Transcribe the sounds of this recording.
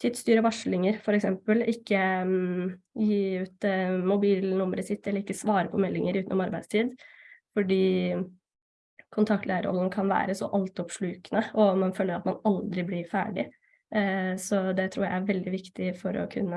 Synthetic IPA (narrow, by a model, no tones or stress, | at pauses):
t̪ʰɪːd̪st̪yːɾəʋɑʂɭɪŋəɾfɔɾɛksɛmpəlɪkːə | jiːʉːt̪mʊbiːlnʊməɾəsɪt̪ːɛlːəɾɪkːəsʋɑːɾəpʰɔmɛlːɪŋəɾʉːt̪nɔ̰mɑɾbæɪst̪ʰiːd̪fɔɖiː | kʰʊnt̪ʰɑkt̪læɪɾəɔ̰lnəkʰɑnʋæ̰ːɾəsɔ̰ʔɑlt̪ɔpʂɭʉːkənəɔmɑnføːləɾɑt̪mɑnɑld̪ɾɪblɪɾfæ̰ːɖɪ | sɔd̪ɛt̪ʰɾṵːɾjæɪæɾʋɛld̪ɪʋɪkt̪ɪfɔɾɔ̰kʰʉ̰nːə